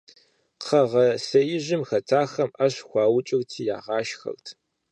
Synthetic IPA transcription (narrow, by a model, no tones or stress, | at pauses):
qʰɐʁɐsɐjɪʑɪmxɐtʰaːxɐmʔɐɕxʷɑːwʊt͡ʃʼɪrtʰiːjaːʁɑːʃxɐ̰rtʰ